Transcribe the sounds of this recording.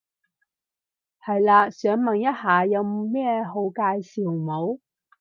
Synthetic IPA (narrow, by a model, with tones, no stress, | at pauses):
hɐ˨jlaː˧sœː˨˥ŋmɐ˨˩ŋjɐ˥t̚haː˨˩jɐ˨˧wmɛː˥ɦo˨˧˥wkaː˧jsiː˨˩wmo˨˧˥w